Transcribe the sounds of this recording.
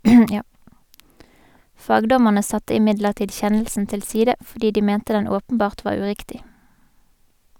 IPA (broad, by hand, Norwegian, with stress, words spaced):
ˈfɑːɡˌdɔməʁnə ˈsɑtə ɪˈmɪdləʁˌtiːd ˈçɛnəlsn̩ ˈtɪl ˈsiːdə fɔʁˈdiː ˈdiː ˈmɛntə ˈdɛn ˈoːpənˌbɑːʁt ˈʋɑːʁ ˈʉˌʁɪktɪ